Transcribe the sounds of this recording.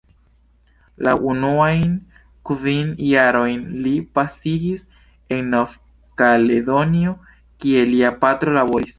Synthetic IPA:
la̰ʔunuajn | kvinjaɾo̞jnlipasiɡis | e̞ŋːof | kaled̪onio | kie̞liapatɾo̞laboɾis

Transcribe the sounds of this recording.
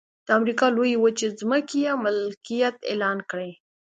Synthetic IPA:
d̪̥əamɾikɑlojewət͡ʃezməkejamɪlkijat̪ḛlɑnkɽe

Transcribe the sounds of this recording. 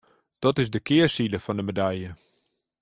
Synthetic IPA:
d̥ɔtɪzdəkɪəsidəfɔndəmedɛjjə

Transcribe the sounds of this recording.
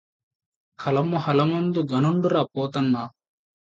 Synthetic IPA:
kʰɐlɐmuhɐlɐmɐnd̪uɡɐnuɳɖuɾaːpoːt̪ɐnːa

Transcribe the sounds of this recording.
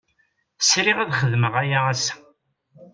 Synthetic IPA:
sɾiʁæðχəðməʁajaæsæ̥

